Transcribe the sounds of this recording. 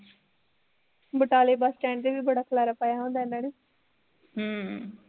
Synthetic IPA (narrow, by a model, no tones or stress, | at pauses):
bəʈaːleːbasʈɛ̃ːɳt̪eːʋiːbəɽaːkʰəlaːɾaːpaːjaːɦõːnd̪aːɛnaːɽeː | ɦəː